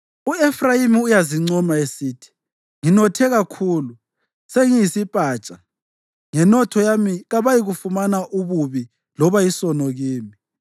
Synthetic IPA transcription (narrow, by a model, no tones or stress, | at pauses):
uɛfrajimiujaziŋ͡ǀɔmaesiːtʰi̥ | ŋinɔtʰɛɣakʰuːlu | seŋijisipʼaːt͡ʃʼa | ŋɛnɔtʰɔjamiɣaβajiɣufumanaʔuβuβi | lɔβajisɔnɔɣiːmi